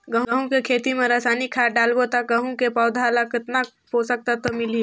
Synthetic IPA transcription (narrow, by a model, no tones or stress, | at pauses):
ɡəɦɐɦũkekʰeːt̪imẽɾɐsaːnikʰaːɖaːlbot̪ɐk̚ɡɐɦũkepɔːʊd̪ʱaːlakɪt̪na | ɦosɐk̚t̪at̪omɪli